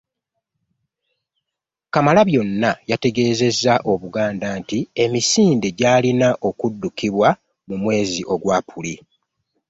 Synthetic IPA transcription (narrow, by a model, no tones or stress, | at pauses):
kamalaβjo̞nːajate̞ɡe̞ːze̞zːaʔo̞βuɡaːndantie̞misiːndeɟaːlinaʔo̞kudːukiβwa | mumwe̞ːziʔo̞ɡwaːpʰuli